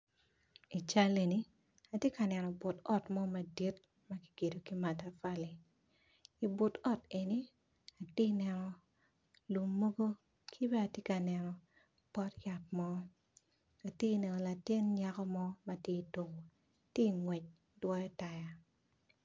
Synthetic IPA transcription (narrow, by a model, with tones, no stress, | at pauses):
i˨t͡ʃa˦le˨ni˦ | a˨tje˦ka˨nɛ˨nɔ˨bʊ˨tɔ˦tmɔ˦ma˨di˦t̚ | ma˦ki̥˦ɡe˨do˨ki˦ma˨ta˨fa˦le˨ | i˨bo˨tɔ˦te˨ni˦ | a˨te˦nɛ˨nɔ˨ | lu˨mːo˦ɡo˦ | kʰi˦bɛ˦a˨te˦ka˨nɛ˨nɔ˨ | pɔ˦tja˨t̚mɔ˦ | a˨tje˦˨nɛ˨nɔ˨la˨tɪ˦nɲa˦kɔ˦mɔ˦ma˨tje˦i˨to˨ko˨ | tje˦˨ŋwɛ˨t͡ʃ̚ | dwɔ˦jɔ˦ta˨ja˨